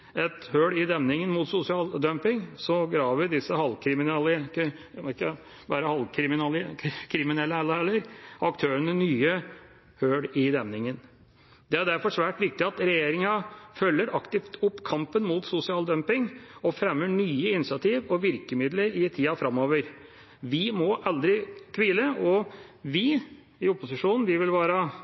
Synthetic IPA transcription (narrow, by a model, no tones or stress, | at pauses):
ɛt̪høːɽɪd̪ɛmnɪŋənmuːt̪sʊsɪɑːld̪œmpɪŋsɔɡɾɑːʋəd̪ɪsːəhɑlkʰɾɪmɪnɛlə | ɪkːə | bɑːɾəhɑlkʰɾɪmɪnɑlkʰɾɪmɪnɛlːəhɛlːəhɛlːəɾɑkt̪ʰøːɾənənyːə | høːɽɪd̪ɛmnɪŋən | d̪ɛæɖæɾfɔʂʋæːʈʋɪk̚t̪ɪɑt̪ɾɛjeːɾɪŋɑfœlːəɾʔɑkt̪ɪft̪ʰʊpːkʰɑmpənmuːt̪sʊsɪɑːld̪œmpɪŋɔfɾɛmːəɳyːəɪnɪsɪɑt̪ʰiːʋɔʋɪɾkəmɪd̪ləɾɪt̪ʰiːɑfɾɑmoːʋəɾ | ʋɪmɔʔɑld̪ɾɪkʰʋiːləʔɔʋɪ | ɪɔpʊsɪʂuːnn̩ʋɪʋɪlʋɑːɾə